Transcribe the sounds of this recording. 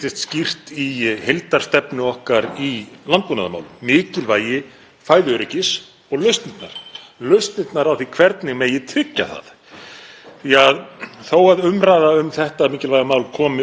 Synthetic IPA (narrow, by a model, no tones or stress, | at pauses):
t̪ɪst̪scir̥t̪ihejlt̪aɾ̥st̪ɛpnʏɔhkaɾilant̪̚punaðʏma̰ːwlʏmɪːcɪlvaːjɪ | faːjðʏœɾɪcɪs | ɔɣlœɥst̪nɪt̪na̰ɾ̥ | lœɥst̪nɪt̪naɾawθikʰv̥ɛɾt̪nɪɣmɛjɪt̪ʰɾɪcːa̰θa̰ð | θiaðθowaðʏmɾaːðaʏmθɛht̪amɪːcɪlvajamaːwlkʰɔːmɪ